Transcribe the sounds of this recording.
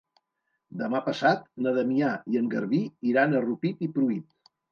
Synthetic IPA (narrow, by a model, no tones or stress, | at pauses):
d̪əmapəsat̪̚nəðəmiaiəŋɡəɾβiiɾanərupit̪ipɾuit̪̚